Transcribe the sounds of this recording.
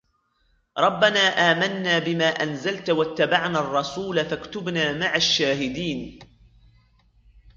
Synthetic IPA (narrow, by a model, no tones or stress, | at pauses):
ɾˤɑbːanaːʔaːmanːaːbɪmaːʔanzalt̪wat̪ːabaʕnaːrˤːɑsuːlafakt̪ʊbnaːmaʕaʃːaːhɪd̪iːn